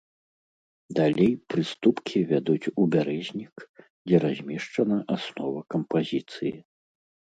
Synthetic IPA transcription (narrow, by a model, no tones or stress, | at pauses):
d̪alʲejpɾɨst̪upkʲʰivʲad̪ut͡sʲubʲaɾɛzʲnʲik | d͡zʲɛɾazʲmʲɛʂt͡ʂɐnɐʔasnɔvɐkɐmpazʲit̪sɨji